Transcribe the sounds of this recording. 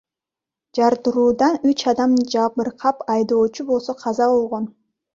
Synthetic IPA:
d͡ʒɑɾd̪ɯɾuːd̪ɑnyt͡ʃɑd̪ɑmd͡ʒɑpɯɾqʰɑpɑjd̪o̞ːt͡ʃubo̞lˠso̞qʰɑzɑβo̞lˠʁo̞n

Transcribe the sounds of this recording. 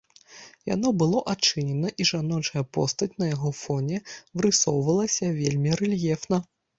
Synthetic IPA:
ja̰nɔbɨlˠɔʔat͡ʂɨnʲɛnɐʔiʐanɔt͡ʂɐjɐpɔst̪ɐt͡sʲnɐjaɣɔfɔnʲɛvɾɨsɔwvɐlˠɐsʲɐvʲelʲmʲiɾɛlʲjɛfnɐ

